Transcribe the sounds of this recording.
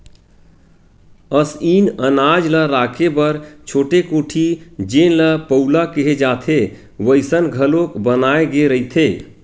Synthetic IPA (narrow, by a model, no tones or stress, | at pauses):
əsinənad͡ʒləɾakʰebəɾt͡ʃʰoːʈekoːʈʰid͡ʒenləpəulakeɦed͡ʒaːt̪ʰe | ʋəɪsənɡʱəlokbənaeɡeɾəɦit̪ʰe